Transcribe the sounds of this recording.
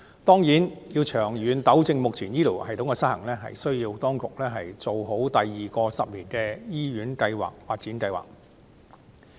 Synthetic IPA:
t̪ɔː˥ŋjiː˨˥njiː˧wt͡ʃʰœː˨˩ŋjyː˨nt̪ɐ˨˥wt͡sɪ˧ŋmʊ˨k̚t͡sʰiː˨˩njiː˥liː˨˩whɐ˨jt̪ʊ˨˥ŋkɛː˧sɐ˥t̚hɐ˨˩ŋlɛː˥ɦɐ̰˨jsɵ˥ɥjiː˧wt̪ɔː˥ŋkʊ˨k̚lɛː˥ɦɐ˨jt͡so˨wɦo˨˥wt̪ɐ˨jːiː˨˩kɔː˧sɐ˨p̚liː˨˩nkɛː˧jiː˥ɥyː˨˥nkɐ˧jwa̰ː˨k̚faː˧t̚t͡siː˨˥nkɐ˧jwa̰ː˨˩k̚

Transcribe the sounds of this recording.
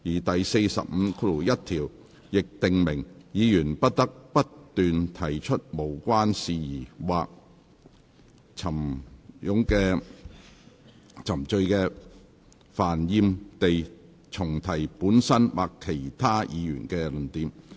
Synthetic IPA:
jiː˨˩t̪ɐ˨jse˧jsɐ̰˨p̚m̩˨˧kʰu˨˩jɐ˥t̪̚ʰiː˨˩w | jɪ˨k̚t̪ɪ˨ŋmɪ˨˩ŋjiː˨˧jyː˨˩npɐ˥t̚t̪ɐ˥k̚pɐ˥tt̪ːyː˨nt̪ʰɐ˨˩jt͡ʃʰɵ˥t̚mo˨˩wkʷaː˥nsiː˨jiː˨˩waː˨k̚ | t͡sʰɐ˨˩mjʊ˨˥ŋkɛː˧ | t͡sʰɐ˨˩mt͡ʃɵ˧ɥkɛː˧ | faː˨˩njiː˧mt̪e˨j | t͡sʰʊ˨˩ŋt̪ʰɐ˨˩jpuː˨˥nsɐ˥nwʔa̰ː˨kʰːe˨˩jt̪ʰaː˥jʔiː˨˧jy̰ː˨˩nkɛː˧lɵ˨˩nt̪iː˨˧m

